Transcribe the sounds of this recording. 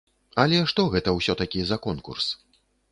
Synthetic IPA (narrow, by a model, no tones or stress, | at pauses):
ɐlʲɛʂt̪ɔɣɛt̪ɐwsʲɔt̪akʲizɐkɔnkṵrs